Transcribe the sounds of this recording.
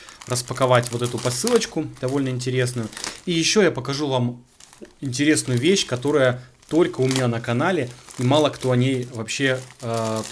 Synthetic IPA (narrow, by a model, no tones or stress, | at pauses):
rəspəkɐvatʲvo̞t̪ɛt̪ʊpɐsɨlˠət͡ɕkʊd̪̥ɐvo̞lʲnəɪnʲtʲɪɾʲe̞snʊjʊijɪɕːo̞japəkɐʐuvam | ɪnʲtʲɪɾʲe̞snʊjʊvʲeɕːkɐt̪o̞ɾəjə | t̪o̞lʲkəʊmʲɪnʲanəkɐnalʲɪimɑlˠəkt̪o̞ɐnʲejvɐpɕːe̞